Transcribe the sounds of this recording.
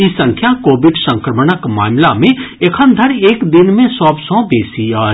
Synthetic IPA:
isə̃ŋkʰjakoːbɪɖsə̃ŋkɾəmənəkmaːmlamẽekʰənd̪ʱəɾeːkd̪ɪnmẽsɔːbsɔ̃beːsiaː

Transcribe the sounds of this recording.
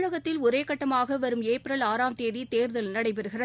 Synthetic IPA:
ɻɐɣɐt̪ːɪlʊɾeːkːɐʈːɐmaːɣɐʋɐɾɯmeːpɾɐlaːɾaːmt̪eːðit̪eːɾðɐlnɐɽɐɪp̬ɛɾɯɣɪrɐð

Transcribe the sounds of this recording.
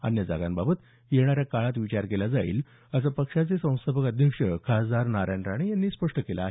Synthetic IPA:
a̰njəd͡za̰ɡanbabət̪ | jeɽ̃aɾjakaɭat̪ʋit͡ɕaɾkelad͡zaḭːl | əsapəkʂat͡sesə̃w̃st̪ʰabəkəd̪ʱjəkʂəkʰad͡zaɾnaɾaɳɖɾaɽ̃ijanːiːspəʂʈəkela̰ːɦe

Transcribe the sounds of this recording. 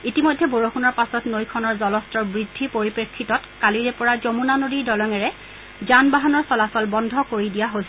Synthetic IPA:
itimojdʱːɛboɹoxunɔɹpasɔtnojkʰɔnɔɹzɔlɔstɔɹbɹidʱːipoɹipɹekʰːitɔtkaliɹɛpɔɹazomunanodidɔlɔŋɛɹɛ | zanbaɦanɔɹsɔlasɔlbɔndʱɔkoɹidijaɦojsi

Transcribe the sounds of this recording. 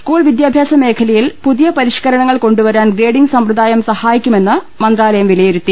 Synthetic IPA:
skuːɭʋid̪jaːbʱjaːsɐme̞ːkʰɐlɐjilpuðijɐpɐɾiʂkɐɾɐɳɐŋːɐɭko̞ɳɖuʋɐɾaːnɡɾeːɖiŋɡsɐmprɨd̪aːjɐmsɐhaːjikʲːume̞nːɨ | mɐnd̪raːlɐjɐmʋilɐjeɾut̪ːi

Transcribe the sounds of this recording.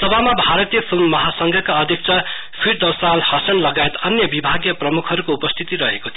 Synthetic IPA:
sʌbamabʱaɾʌt̪ijʌpʰilmːʌɦasʌŋɡʱʌkaʌd̪ʱjʌk̚t͡sʰʌ | pʰiɾd̪ʌwsalhʌsʌnlʌɡaet̪ʌnjʌbibʱaɡjʌprʌmukʰɦʌɾukoupʌst̪ʰit̪iɾʌɦekot̪ʰ

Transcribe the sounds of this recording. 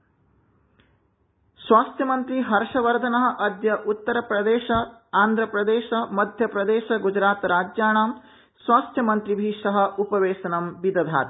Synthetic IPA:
sʋaːst̪jɐmɐnt̪ɾiɦɐɾʂɐʋɐɾd̪ʱɐnɐɦɐ̆ʔɐd̪jɐʔut̪ːɐɾɐpɾɐd̪eːʃɐaːnd̪ʱɾɐpɾɐd̪eːʃɐmɐd̪ʱjɐpɾɐd̪eːʃɐɡud͡ʒɾaːt̪ɾaːd͡ʒjaːɳaːm | sʋaːst̪ʰjɐmɐnt̪ɾibʱiːʂɐɦɐ̆ʔupɐʋeːʃɐnɐmbid̪ɐd̪ʱa̰ːt̪

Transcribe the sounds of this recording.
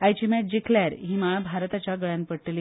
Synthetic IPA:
ajt͡ɕimɛd͡ʑikʰljaɾɦiːmaɭabʱaɾt̪at͡ɕjaɡəɭjanpəɽʈli

